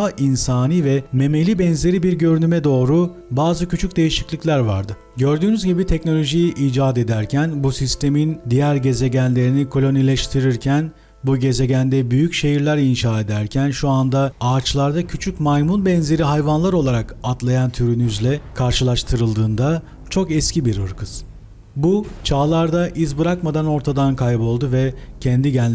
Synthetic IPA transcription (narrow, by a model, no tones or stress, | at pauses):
aʔinsaːniːvɛme̞me̞lʲibɛnze̞ɾibiɾɟø̞ɾynymɛd̪o̞ːɾu | baːzɯcʰyt͡ʃʰyc̚d̪e̞jiʃiclʲiclʲæɾva̰ɾd̪ɯ | ɟø̞ɾd̪yːnyzɟibit̪ʰɛcno̞lʲo̞ʒijiʔiːd͡ʒaːd̪e̞d̪æɾcʰænbusist̪ʰe̞mind̪ijæɾɟe̞ze̞ɟænlʲe̞ɾinikʰo̞lʲo̞nilʲɛʃt̪ʰiɾiɾcʰæn | buɟe̞ze̞ɟænd̪ɛbyjycʃe̞jiɾlʲæɾinʃaːe̞d̪æɾcʰænʃuand̪aaːt͡ʃlˠaɾd̪acʰyt͡ʃʰycmajmunbɛnze̞ɾiɦajvanlˠaɾo̞lˠaɾakat̪lˠajant̪ʰyɾynyzlʲɛkʰaɾʃɯlˠaʃt̪ʰɯɾɯlˠd̪ɯːnd̪a | t͡ʃʰo̞kɛscibiɾɯ̰ɾkʰɯz̥ | but͡ʃʰaːlˠaɾd̪aʔizbɯɾakmad̪ano̞ɾt̪ʰad̪ankʰajbo̞lˠd̪uvɛcʰɛnd̪iɟænʲ